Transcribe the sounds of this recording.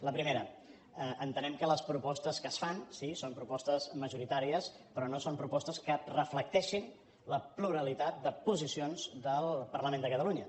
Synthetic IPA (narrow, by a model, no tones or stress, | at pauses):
ləpɾimeɾə | əʔənt̪ənɛmkələspɾupɔst̪əskəsfansisompɾupɔst̪əzməʒuɾit̪aɾiəs | pɾɔnosompɾupɔst̪əskərəflək̚t̪ɛʃin | ləpluɾəlit̪at̪̚d̪əpuzisionzd̪əlˠpərləmẽnd̪əkət̪əluɲə